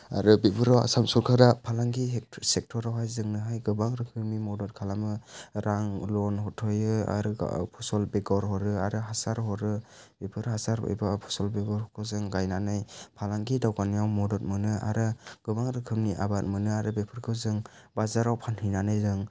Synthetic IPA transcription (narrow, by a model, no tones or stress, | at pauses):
a̰ɾɯbebɯɾawa̰samsɔɾkʰaɾapʰalaŋɡisek̚tʰɔɾawɦajzɯŋnɯɦajɡɯbaŋɾɯkʰɯmnimɔdɔt̚kʰalamɯɾʔaŋlɔnhɔtʰɔjɯa̰ɾɯ̰pʰɔsɔlbeɡɔɾɦɔɾɯaɾɯɦasaɾhɔɾɯ | b̥epʰɯɾhasaɾɔ̰jbapʰɔ̥sɔlbeɡɔɾhɔkʰɯzɯŋɡajnanajpʰalaŋɡidawɡanijawmɔdɔt̚mɯnɯa̰ɾɯɡ̥ɯbaŋɾɯkʰɯmniʔa̰bat̚mɯnɯaɾɯbepʰɯɾkʰɯzɯŋ | bazaɾawpʰanhɯjnanajzɯŋ